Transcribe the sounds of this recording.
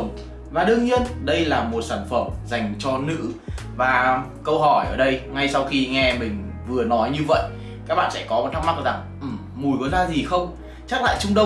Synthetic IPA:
ŋ͡m | vaː˨˩ɗɨ˧əŋɲi˧ənɗə˧jlaː˨˩mo˨˩t̚saː˧˩nfə˧˩mza˨˩jŋ̟t͡ɕɔ˧nɨ̰˧˥vaː˨˩ | kə˧wɦɔ˧˩jʔəː˧˩ɗə˧jŋa˧jsa˧wxi˧ŋɛ˧mï˨˩ŋ̟vɨ˨˩ənɔ˨˦jɲɨ˧və̰˧˨jʔ | kaː˦˥k̚ɓa̰ː˧˨sɛ̰˧˥kɔ˨˦m˨˩t̪̚ʰa˦˥kma˦˥k̚za˨˩ŋ | ʔɨ˨˩ | mu˨˩jɣə˨˦jzaː˧zi˨˩xə˧wŋ͡m | t͡ɕa˦˥k̚la̰ː˧˨t͡ɕʊ˧ŋ͡mɗə˧

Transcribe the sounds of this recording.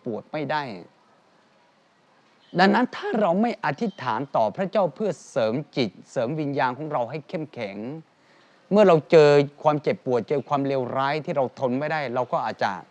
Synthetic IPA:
pu˨˩ət̪̚ma˥˩jdaː˥˩j | da˧ŋna˦˥nt̪ʰaː˥˩ɾa˧wma˥˩jʔa˧t̪ʰi˦˥t̪ʰaː˩˦nt̪ɔː˨˩pʰɾa˦˥t͡ɕaː˥˩wpʰɯ˥˩ɐsɤː˩˦mt͡ɕi˨˩t̪̚sɤː˩˦mwi˧njaː˧nkʰɔ˩˦ŋɾa˧wɦa˥˩jkʰe˥˩mkʰɛ˩˦ŋ | mɯ˥˩ɐɾa˧wt͡ɕɤː˧kʰwaː˧mt͡ɕe˨˩pːu˨˩ət̪̚t͡ɕɤː˧kʰwaː˧mleː˧wɾaː˦˥jt̪ʰiː˥˩ɾa˧wt̪ʰo˧nma˥˩jdaː˥˩jɾa˧wkɔː˥˩ʔaː˨˩t̪̚t͡ɕa̰˨˩

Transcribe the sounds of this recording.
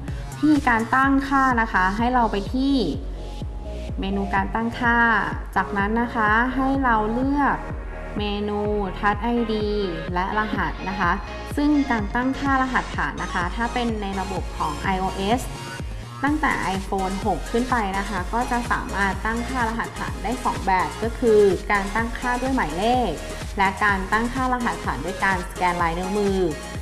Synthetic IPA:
t̪ʰiː˥˩kaː˧nt̪a˥˩ŋkʰaː˥˩na˦˥ka˦˥ɦa˥˩jɾa˧wpa˧jt̪ʰiː˥˩ | meː˧nuː˧kaː˧nt̪a˥˩ŋkʰaː˥˩t͡ɕaː˨˩k̚na˦˥nːa˦˥kʰa˦˥ɦa˥˩jɾa˧wlɯ˥˩ɐək̚ | meː˧nuː˧t̪ʰa˦˥t̪̚ʔa˧jdiː˧ | lɛ˦˥la˧ɦa˨˩t̪̚na˦˥kʰa˦˥ | sɯ˥˩ŋkaː˧nt̪a˥˩ŋkʰaː˥˩la˧ɦa˨˩˦t̪̚ʰːa̰ː˩˦nːa˦˥kʰa˦˥t̪ʰaː˥˩pe˧nːa˧jɾa˧bo˨˩p̚kʰɔː˩˦ŋʔa˧jʔoː˧ʔe˦˥s | t̪a˥˩ŋt̪ɛ̰ː˨˩ʔa˧jfoː˧nɦo˨˩kʰːɯ˥˩npa˧jna˦˥kʰa˦˥kɔː˥˩t͡ɕa˨˩sa̰ː˩˦maː˥˩t̪ːa˥˩ŋkʰaː˥˩ɾa˧ɦa˨˩t̪ʰːa̰ː˩˦ndaː˥˩jsɔ̰ː˩˦ŋbɛː˨˩p̚kɔː˥˩kʰɯː˧kaː˧nt̪a˥˩ŋkʰaː˥˩du˥˩əjma˩˦jleː˥˩k̚ | lɛ˦˥ʔkaː˧nt̪a˥˩ŋkʰaː˥˩la˧ɦa˨˩t̪̚sʰa̰ː˩˦ndu˥˩əjkaː˧nskɛː˧nlaː˨˦jnɯ˦˥mɯː˧

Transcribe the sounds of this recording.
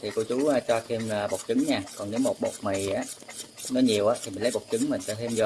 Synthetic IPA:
t̪ʰi˨˩ko˧˦t͡ɕuː˨˦˧t͡ɕɔ˧t̪ʰe˧maː˨˩ɓo˨˩k͡p̚t͡ɕɨ˨˦ŋɲaː˧˩kɔ˨˩ne˨˦wmo˨˩t̚ɓo̰˨˩k͡p̚ma˨˩jʔaː˨˦˧nɔ˨˦ɲi˨˩əwʔaː˨˦t̪ʰi˨˩m̟˨˩˨lə˨˦ɓo˨˩k͡p̚t͡ɕɨ˨˦ŋmï̟˨˩sa˧˦t̪ʰe˧mzo˧˩

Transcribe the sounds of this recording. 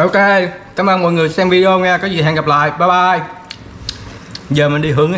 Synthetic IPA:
ʔo˧ke˧kaː˨˦mʔəː˧nmɔ̰˧˨jŋɨ˨˩əjsɛː˧ŋvi˧ʔo˧ɲaː˧kɔː˨˦zi˨˩ɦɛ̰˧˨ŋɣa˨˩p̚la̰ː˧˨jɓaː˧˩ɓaː˧ʔj | zəː˨˩mï˨˩ŋɗi˧ɦɨ˨˦əŋ

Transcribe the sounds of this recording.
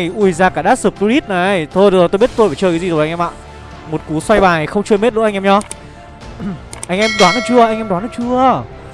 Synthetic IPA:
jʔu˧˩jzaː˧˩kaː˧˩ɗaː˦˥t̚sɨː˨˩p̚t̪u˧li˦˥t̚na˨˩˨jt̪ʰo˧jɾɨ˨zo˨˩t̪o˧jɓt̪o˧faː˨˩t͡ɕəː˧˩ka˨˦zi˨˩zʔa˧ŋʔɛ˧ma̰ː˧˨ | mo˨˩t̚ku˨˦swa˧jɓaː˨˩˨jxə˧wŋ͡mt͡ɕɨ˧jme˦˥t̚lṵ˧˥ʔa˧ŋɛ˧mɲɔ˧ | ʔa˧jŋ̟ʔɛ˧mɗwaː˨˦nɔ˨˩t͡ɕɨ˧əʔa˧jŋʔɛ˧mɗwaː˨˦nɔ˨˩t͡ɕɨ˧ə

